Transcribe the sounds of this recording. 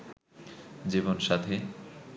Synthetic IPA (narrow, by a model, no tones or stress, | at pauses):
d͡ʑibonʃat̪ʰe